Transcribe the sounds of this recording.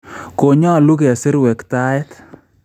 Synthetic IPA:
ko˨ɲɔ˦˨lu˦ke˨a˨sɪ˦ɾwɛ˨kta˦ɛ˦t

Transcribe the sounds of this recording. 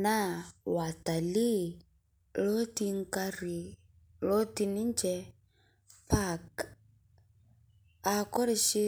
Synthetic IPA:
na˦wa˨ta˨li˦ | lɔ˦ti˦ŋ˦ka˦ɾi˨ | lɔ˦ti˧ni˦ɲd͡ʒɛ˦ | pa˦k | a˨kɔ˦ɾɛ˦ʃi˦

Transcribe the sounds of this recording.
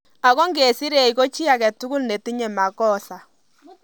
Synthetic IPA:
a˨kɔ˦ŋɡe˨si˦ɾe˨i˨ko˦t͡ʃi˦a˨kɛ˨tʊ˦kʊ˦lne˨ti˦ɲɛ˨ma˨kɔ˦sa˨

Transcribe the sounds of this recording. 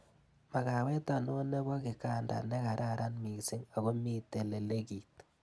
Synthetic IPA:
ma˨ka˨wɛ˦ta˨nɔ˦ne˦bɔ˦ki˨ka˨nda̰˨ne˦ka˨ɾʔa˦ɾa˦nmi˨ksi˦ŋa˨ɣo˦mi˦te˨le˨le˦ki˨t̚

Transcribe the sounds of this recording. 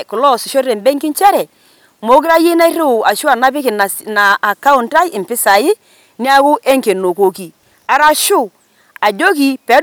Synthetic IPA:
kʊ˨lɔ˦˨sɪ˨ʃo˦ɾe˨mbe˦ŋkɪ˦nt͡ʃɛ˦ɾɛ˨ | mo˨˦k̬ɾa˦ji˦na˦ɪ˦ɾe˦˨a˨ʃu˦a˨na˦pɪ˦ki˨n˨naː˨ka˦ʊ˨nta˦jɪ˨mpɪ˦sa˨ɪ˦ | n˦a˦kʊ˦ʔe˦ŋke˨no˨ko˨˦ki˨ | a˨˦ɾa˦ʃu˦ | a˨d͡ʒo˦ki˨pe˨˦

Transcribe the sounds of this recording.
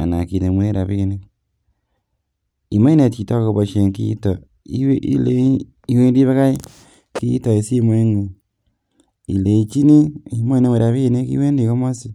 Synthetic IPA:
a̰˨na˨ki˨ne˨mwe˦ɾa˨βi˦˨ne˦ | i˨ma˦i˦ne˨ti˨to˦ko˨βo˨ʃe˨ŋkḭ˦tɔ˨ | i˦wḭ˦le˦ | i˦we˦ndi˦βe˦ka˦i˦ | kḭ˦tɔ˨e˨si˦mo˨˦i˦ŋu˨ | ḭ˨le˨i˨t͡ʃi˦ni˦i˨mo˦i˦ne˦mwe˨ɾa˨βi˦˨ne˦kḭ˦we˦ndi˨ko˦mo˦si˨

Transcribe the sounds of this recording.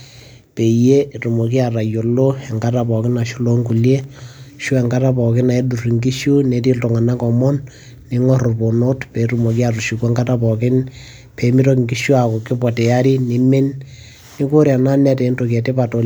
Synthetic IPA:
pe˨je˦ru˨mo˨ki˦a˨ra˨jo˨lo˦ɛ˨ŋɡa˦ta˨pɔ˨kɪ˦na˨ʃu˦lo˦ŋku˨lje˦ʃu˦ɛ˨ŋɡa˦ta˦pɔ˨kɪ˦na˨e˦du˨ri˨ŋɡi˦ʃu˦ne˦t̬i˦lto˨ŋa˨na˦kɔ˨mɔ˦nː | i˦ŋɔ˦ɾʊ˨po˨no˦tpe˨ɾu˨mo˨k̬i˦a˨ru˨ʃu˨kɛ˦ŋɡa˦ta˦pɔ˨kɪ˦n | pe˨mi˦ɾo˦kŋɡi˦ʃu˦a˨kɔ˨kɪ˦pɔ˨tɛ˨ja˦ɾi˦ni˦mɪ˦nː | i˦ko˦ɾja˨na˦nɛ˦te˨˦nto˨k̬ɛ˨te˦pa˨to˨

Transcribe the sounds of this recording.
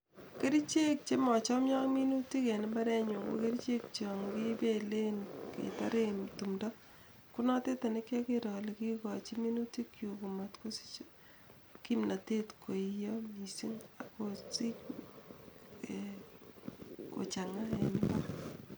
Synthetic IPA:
ke˦ɾi˦t͡ʃe˦k̚t͡ʃe˦mɔ˨t͡ʃɔ˦mjɔ˦ŋmi˦nu˦ti˦ke˨nɪ˦mba˦ɾɛ˦ɲu˨ko̰˨˦ke˦ɾit͡ʃe˦kt͡ʃɔ˨ŋki˦be˦le˦nkḛ˨ta˦ɾe˦mtu˨mdɔ˦ | ku˦nɔ˦te˦ta˨ne˦kje˦ke˦ɾɔ˨li˨ki˦kɔt͡ʃi˦mi˦nuti˦kju˨ku˨ma˨tko˦si̥t͡ʃ | ki˦mna˨te˦tkʰo˨ijɔmi˨si˦ŋa˨kosi˦k | ko̰˨t͡ʃa˨ŋa˦ḛ˨nɪ˦ba˦

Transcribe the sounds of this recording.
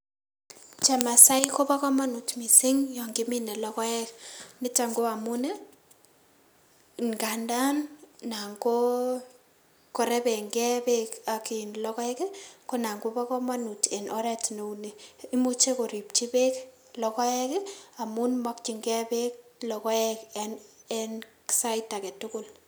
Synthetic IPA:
t͡ʃɛ˨ma˨sa˦iko˦pa˦kɔ˦ma˦nu˨tmi˨sɪ˦ŋjɔ˨ŋɡɪ˦mɪ˦nɛ˨lɔ˦kɔ˦ɛ˦knɪ˦ta˨ŋɡo˦a˨mu˦ne˦ | ŋɡa˨nda˦nna˨ŋɡo˦ | kɔ˨ɾɛ˦bɛ˨ŋɡɛ˦be˦ka˨ki˨nlɔ˦kɔ˦ɛ˦kɛ˦ko˦na˨ŋɡo˦pa˦kɔ˦ma˦nu˨tɛ˨nʔɔ˦ɾɛ˦tno˨une˨i˦mu˦t͡ʃe˦ko˨ɾi˨p̚t͡ʃi˦pe˦k | lɔ˨kɔ˦ɛ˦kɪ˦a˨mu˦nmɔ˦k̚t͡ʃi˨ŋɡɛ˦be˦k̚lɔ˨kɔ˦ɛkɛnɛ˦nksa˦i˦ta˨kɛ˨tʊkʊ˦l

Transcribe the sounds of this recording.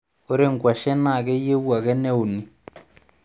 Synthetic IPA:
o˦ɾe˦˨ŋɡwa˨ʃɛ˦na˦˨ɣɛ˦je˦βwa˨ɣɛ˦nɛ˦o˨ne˨

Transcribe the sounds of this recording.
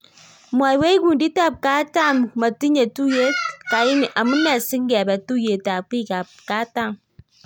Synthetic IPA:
mwa˨i˨we˦i˦ɡu˨ndi˦ta˦˨p̚ka˦ta˦˨mma˨ti˦ɲe˨tu˦je˦ka˨ji˦ni˨ʔa˨mu˦nːɛ˨si˦ŋ˦ɡe˨bɛ˨tu˦je˨ta˨k͡pi˦˨ka˨p̚ka˦ta˦˨m

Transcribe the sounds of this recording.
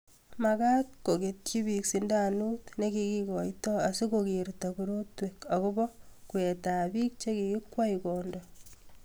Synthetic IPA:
makat̚ko˨ke˨t̚t͡ʃi˦bi˨ksindanutne˦kiki˦kɔ˨jtɔa˨si˦koki˨ɾtakuɾotweka˨kʊbɔ˦kwe˨ta˨bi˦k̚t͡ʃe˦ki˨ki˦kwa˦ikondɔ

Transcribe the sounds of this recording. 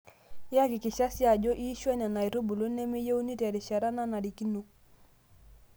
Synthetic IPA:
ja˦kɪ˨kɪ˨ʃa˦sja˨d͡ʒo˦ʔi˦ʃwɛ˦na˨na˨i˨ɾo˦bu˨lo˦nɛ˦me˦je˦u˦ni˦ta˨ɾi˨ʃa˨ɾa˦na˦na˨ɾi˨ki˦no˦

